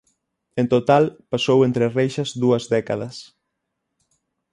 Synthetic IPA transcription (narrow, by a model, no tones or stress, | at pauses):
ẽnt̪ot̪alpasowent̪ɾɪrejʃɐzðuɐzðɛkaðɐs